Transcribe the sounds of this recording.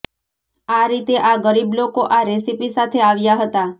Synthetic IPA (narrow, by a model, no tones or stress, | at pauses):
aɾit̪eʔaɡəɾiblokoʔaɾesipisat̪ʰeaʋjaɦət̪a